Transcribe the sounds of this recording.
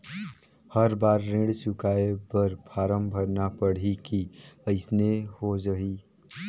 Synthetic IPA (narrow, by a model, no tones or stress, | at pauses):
həɾbaːɾːẽːɽsʊkaːepəɾpʰaːɾəmbʱəɾnapəɽ̤ikiəɪsnehod͡ʒəɦiː